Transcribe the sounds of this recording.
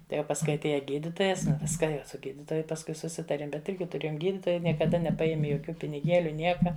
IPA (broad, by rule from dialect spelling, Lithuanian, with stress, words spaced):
tɐɪ jɛʊ pɐsˈkʊɪ ɐtʲˈeːjɛ ˈɡʲiːdʲɪtoːjɛs ˈʋʲɪskɐ ˈjɛʊ sʊ ˈɡʲiːdʲɪtoːjʊ pɐsˈkʊɪ sʊˈsʲɪtɐrʲeːm bʲɛt ˈɪrʲɡʲɪ tʊˈrʲeːjoːm ˈɡʲiːdʲɪtoːjɛɪ nʲiɛkɐˈdɐ nʲɛpɐˈjæːmʲɪ joːˈkʲuː pʲɪnʲɪˈɡʲeːlʲʊ ˈnʲiɛkɐ